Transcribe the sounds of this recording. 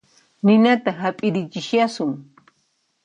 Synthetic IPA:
nɪnat̪ahapʼɪɾɪt͡ʃɪʃjasʊŋ

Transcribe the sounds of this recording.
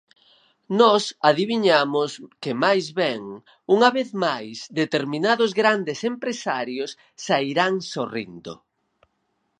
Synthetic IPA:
nɔsaðiβiɲamʊskemajzβɛŋ | uŋaβeθmajsd̪et̪eɾmĩnaðʊzɣɾand̪esempɾesaɾjʊsː | aiɾaŋsorḭnd̪o̰

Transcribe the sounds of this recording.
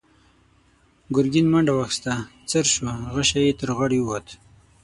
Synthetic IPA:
ɡʊɾɡinmaɳɖawaxst̪at͡səɾʃuɣaʃajet̪əɾɣaɽiwat̪

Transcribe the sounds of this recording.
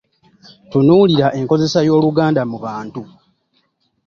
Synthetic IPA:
tunuːliɾaʔe̞ŋko̞ze̞sajo̞ːluɡaːndamuβaːntu

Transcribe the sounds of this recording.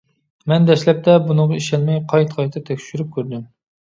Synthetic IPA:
mɛnd̪ɛʃlɛp̚t̪ɛbunɨɴʁɑiʃɛnmɛjqʰɑjt̪ʰqʰɑjt̪ʰɨt̪ʰɛkʲʃyɾyp̚kʲʰøɾd̪ym

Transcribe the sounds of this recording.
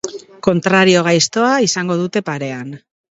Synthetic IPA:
ko̞nt̪ɾaɾio̞ɣ̞ajst̪o̞aisaŋɡo̞ð̞ut̪e̞paɾe̞an

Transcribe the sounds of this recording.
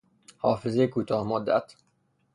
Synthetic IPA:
hɒːfezejkʰuːt̪ʰɒːhmod̪ːæ̰t̪

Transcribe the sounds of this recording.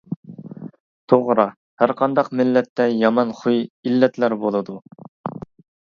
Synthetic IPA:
t̪ʰoʁɾɑ | hæɾqʰɑnd̪ɑqmɪlːɛt̪ːɛjɑmɑnχujilːɛt̪læɾbolˠɨd̪u

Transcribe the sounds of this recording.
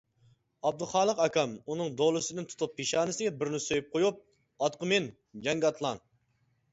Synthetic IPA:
ɑb̚d̪ʊχɑːlˠəqɑkʲɑmunɨŋd̪olˠɨsɪd̪ɪnt̪ʰu̥t̪ʰupʰːeʃɑːnɪsɪɡʲɛbɪɾnɪsøjyp̚qʰojup̚ | ɑt̪qəmɪn | d͡ʒɛŋɡʲɑt̪ʰlˠɑn

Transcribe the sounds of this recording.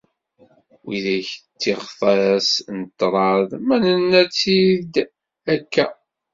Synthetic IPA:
wiðæçt͡sːiʁfɑɾæsnət̪ːɾˤɑðˤmænənːæt͡sːid̪ | ækːæ

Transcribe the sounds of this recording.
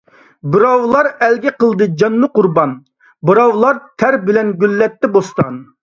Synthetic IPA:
bɨɾɑwlˠɑɾɛlɡʲɛqəlˠd̪ɨd͡ʒɑnːɨqʊɾbɑn | bɨɾɑwlˠɑɾt̪ʰæɾbɪlɛnɡʲylːɛt̪ːɛbost̪ɑn

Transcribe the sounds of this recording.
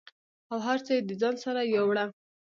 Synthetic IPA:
awɦaɾt͡səjed̪əd͡zɑnsaɾajawɽa

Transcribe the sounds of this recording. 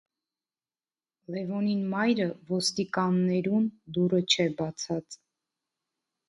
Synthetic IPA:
lɛvɔninmɑjɾəvɔst̪ikɑnːɛɾund̪uɾət͡ʃʰɛbɑt͡sʰɑt͡s

